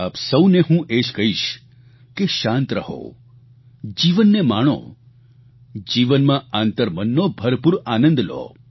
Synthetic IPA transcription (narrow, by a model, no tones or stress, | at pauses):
aːpsəwneɦũʔed͡ʒkəɦiʃ | keʃãnt̪ɾəɦo̰ | d͡ʒiʋənːemaɳ̃õ̰ | d͡ʒiʋənmãant̪əɾmənːobʱəɾpuɾanə̃nd̪lo̰